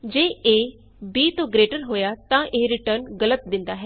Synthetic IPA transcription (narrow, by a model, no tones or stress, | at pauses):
d͡ʒeːeː | biːt̪õːɡɾeːʈəɾɦoːjaːt̪ãːʔeːɾɪʈəɾnɡələt̪̚d̪ɪ̃nd̪aːɦɛː